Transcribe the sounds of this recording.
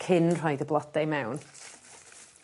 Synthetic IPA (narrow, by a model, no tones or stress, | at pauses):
kʰɪnr̥ajdəblˠɔdɛjmɛwn